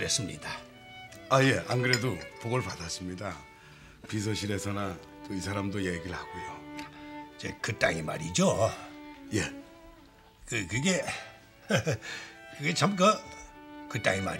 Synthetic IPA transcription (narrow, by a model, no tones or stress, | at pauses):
ɾes͈ɯmɲḭd̥a | aje̞ʔa̰nɡɯɾedopoɡʌɭpadas͈ɯmɲida | pis̬ʰʌɕʰiɾe̞sʰʌna | t͈oisʰaɾamdojeɡiɭhaɡojo | id͡ʑḛkɯt͈aŋima̰ɾid͡ʑo | je | kɯkɯɡe̞ | kɯɡe̞t͡ɕamk̬a | kɯt͈aŋima̰ɾ